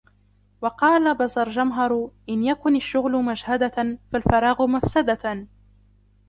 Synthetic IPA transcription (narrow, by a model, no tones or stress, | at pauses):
wɑqɑːlabazˤɑɾˤd͡ʒamɦɑɾˤʔɪnjakʊnaʃːʊɣlʊmaʃhad̪afalfɑɾˤɑːɣʊmafsad̪a